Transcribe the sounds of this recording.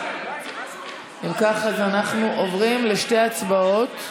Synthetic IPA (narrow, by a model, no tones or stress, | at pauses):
imkaχazanaχnuʔovʁimleʃte̞jat͡sbao̞t